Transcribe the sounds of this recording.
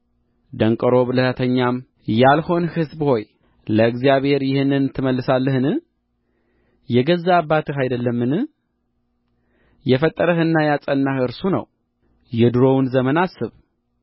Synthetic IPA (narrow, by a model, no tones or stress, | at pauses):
d̪əŋkʼəɾo̞βɨləhət̪ʰəɲːam | jalho̞nhɨzbho̞j | ləɨɡzijaβhe̞ɾjɪhɨnːɨnt̪ʰːɨməlːɨsalːəhɨnɨ | jɛɡəzːaːbːat̪ʰɨɦajd̪əlːəmːɨnɨ | jɛfət̪ʼːəɾəɦɨnːajat͡sʼənːahɨɾsunə̰w | jɛd̪ɨɾo̞wnzəmənasːɨβ